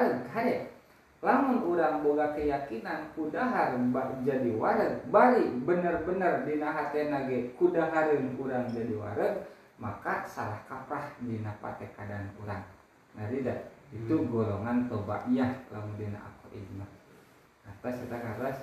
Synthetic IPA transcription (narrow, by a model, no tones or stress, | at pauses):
ɾəɡɦaɛ | lamʊnuɾaŋboɡakəjakinankudaɦaɾəŋbaʔd͡ʒadiwaɾəɡ̚baɾibənərbənərdinaɦat̪ɛnaɡɛʔkudaɦaɾəŋkuɾaŋd͡ʒadiwa̰ɾəɡ̚ | makasa̰lahkapɾahdinapa̰t̪ɛkadankuɾaŋ | naɾidait̪uɡoloŋant̪oba̰ʔjahla̰mundina̰ʔa̰koʔḭdma | kat̪asat̪akardas